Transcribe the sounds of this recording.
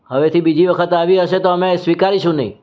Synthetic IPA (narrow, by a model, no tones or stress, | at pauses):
ɦəʋet̪ʰibid͡ʒiʋəkʰət̪aʋiɦəʃet̪oəmesʋikaɾiʃũnə̰ḭ̃